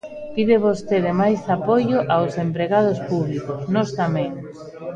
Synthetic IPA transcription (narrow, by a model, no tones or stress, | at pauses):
piðeβost̪eðemajsapojoʔawsempɾeɣað̞ospuβlikosnɔst̪amɛ̃ŋ